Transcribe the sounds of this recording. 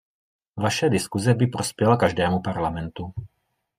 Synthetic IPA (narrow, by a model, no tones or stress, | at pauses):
vaʃɛdɪskuzɛbipɾospjɛlakaʒdɛːmupaɾlamɛnt̪u